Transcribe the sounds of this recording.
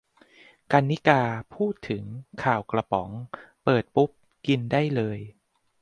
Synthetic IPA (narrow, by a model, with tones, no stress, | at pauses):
ka˧nːi˦˥kaː˧pʰuː˥˩t̪ʰːɯ˩˦ŋkʰaː˨˩wkla˧pɔ˩˦ŋpɤː˨˩t̪̚pu˦˥p̚ | ki˧ndaː˥˩jlɤː˧j